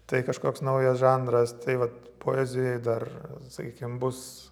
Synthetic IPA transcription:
t̪ɐɪkɐʃkoːksnɐʊjɛsʒɑnd̪ɾɐst̪ɐɪʋɐt̪ | pʰoːɛzʲɪjɛɪd̪ɐrsɐkʲiːkʲɪmbʊs

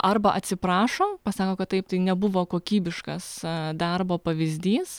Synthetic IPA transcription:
ʔɐrbɐʔɐt̪ʲsʲɪpɾɑːʃoːpɐsɑːkoːkɐt̪t̪ɐɪp̚t̪ɐɪnʲɛbʊʋoːkoːkʲiːbʲɪʃkɐsd̪ɐrboːpɐʋʲɪzʲd̪ʲiːs

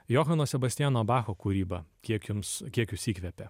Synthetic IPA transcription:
joːxɐnoːsʲɛbɐst̪ʲɪjæːnoːbɑːxoːkuɾʲiːbɐkʲiɛkjʊmskʲiɛkjʊsiːkʋʲɛpʲɛ

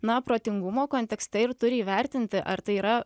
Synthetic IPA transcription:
nɐpɾoːt̪ʲɪŋɡʊmoːkoːnt̪ʲɛkst̪ʲɛɪɾt̪ʊɾʲɪiːʋʲɛˑɾʲt̪ʲɪnʲt̪ʲɪʔɐɾt̪ɐɪiːɾɐ

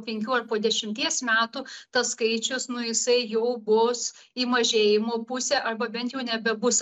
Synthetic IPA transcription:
pʲɛŋʲkʲuːɐrpoːd̪ʲɛʃʲɪmʲt̪ʲiɛsmʲæːt̪uːt̪ɐsskɐɪt͡ʃʲʊsnʊjɪsɐɪjɛʊbʊs | iːmɐʒʲeːjɪmoːpʊsʲæːʔɐrbɐbʲɛnt̪jɛʊnʲɛbʲɛbʊs

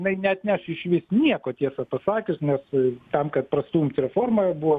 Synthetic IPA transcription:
nɐɪnʲɛɐt̪ʲnʲæʃɪʃʲʋʲɪsnʲiɛkoːt̪ʲiɛsɐpɐsɑːkʲɪsnʲɛst̪ɐmkɐt̪̚prɐst̪uːmsɾʲɛfoːrmɐbuʋoː

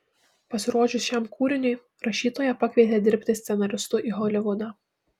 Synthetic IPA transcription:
pɐsʲɪɾuɔʒʲʊsʃʲæmkʰuːɾʲɪnʲʊj | ɾɐʃʲiːt̪oːjɛpɑkʲʋʲɛɪt̪ʲeːd̪ʲɪɾʲpʲt̪ʲɪsʲt̪sʲɛnɐɾʲɪst̪ʊʔiːɦɔlʲɪʋʊd̪ɑː

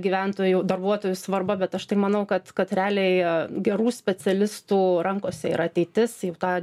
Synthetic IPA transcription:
ɡʲiːʋʲænt̪oːjud̪ɐrbuɔt̪oːjʊsʋɐrbɐbʲɛt̪ɐʃt̪ɐɪmɐnɐʊkɐt̪kɐt̪ɾʲæːlʲeɪɡʲɛɾuːsʲpʲɛt͡s̪ʲɛlʲɪst̪uːɾɐŋkoːsʲɛɪ̰ɾɐt̪ʲɛɪt̪ʲɪsjɛʊt̪ɑː

